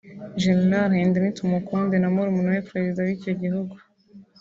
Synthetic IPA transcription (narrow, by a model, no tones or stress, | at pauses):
ʒennaɾhendenitumukondenamuɾumunuwepɾezidawiːco̞ɟiɦuɡu